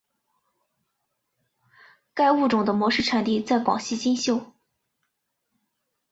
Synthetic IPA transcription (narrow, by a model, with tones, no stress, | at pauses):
ka˥˧ɪu˥˩ʈ͡ʂʊ˨˩ŋd̪ə˦mwɔ˧˥ʂɻ̩˥˩ʈ͡ʂʰa˨˩nt̪i˥˧t͡sa˥˩ɪkwɑ̰˨˩ŋɕi˥˧t͡ɕi˥nɕjo˥˩ʊ